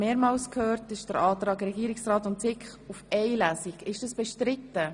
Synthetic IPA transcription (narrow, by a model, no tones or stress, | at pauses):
meːɾmɑːlskʰhøːɾtɪʃd̥əɾɑːt̪ɾɑːɡɾɛɡiːɾɪksɾɑːtʊntsɪkχ | ufɛɪjlæːsɪɡɪʃd̥ɑsb̥ɛʃtɾɪtːə